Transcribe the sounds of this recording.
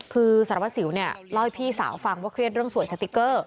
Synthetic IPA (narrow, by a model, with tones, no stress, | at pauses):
kʰɯː˧sa˨˩˦ɾt̪̚si˨˩˦wni˥˩ɐlɔ˥˩jpʰiː˥˩sa̰ː˩˦wfa˧ŋwaː˥˩kʰɾi˥˩ət̪̚ɾɯ˥˩əŋsu˨˩əjsa˧˥t̪ːi˦˥kːɤː˥˩